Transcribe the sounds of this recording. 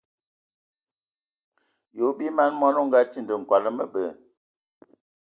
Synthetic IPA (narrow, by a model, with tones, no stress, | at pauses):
jo˨˦bi˦ma˦nmɔ˦no˦ŋ̩˦ɡa˦t͡ʃi˦ndə˨ŋ̩˨kwa˨lə˦mə˦ɓə˨